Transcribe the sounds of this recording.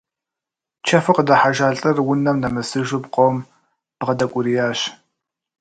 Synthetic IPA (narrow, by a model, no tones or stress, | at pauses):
t͡ʃʰɐfɨqədɐħaʒaːɬʼɐrwʊnɐmnɐmɨsɨʒʊpqʷʼowm | b̥ʁɐdɐkʷʼʊɾijaːɕ